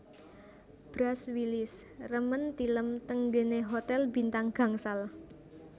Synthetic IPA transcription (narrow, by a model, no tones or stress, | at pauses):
b̥ɾaswilɪsrəmənt̪iləmt̪əŋde̤neɦot̪ɛlbi̤nt̪aŋɡ̥ä̤ŋsal